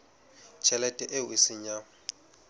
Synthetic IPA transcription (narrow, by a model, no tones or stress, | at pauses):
t͡ʃʰɛlɛtʼɛʔɪʊɪsɪɲa